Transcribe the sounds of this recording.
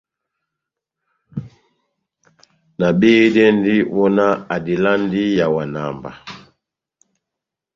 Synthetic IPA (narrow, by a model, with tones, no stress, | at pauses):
na˨be˦dɛ˦n˦di˦wɔ˦na˦a˨di˨la˦n˦di˦ja˨wa˨na˨mba̰˨